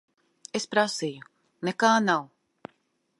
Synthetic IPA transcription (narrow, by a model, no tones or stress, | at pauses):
espɾasiːju | nekaːnaw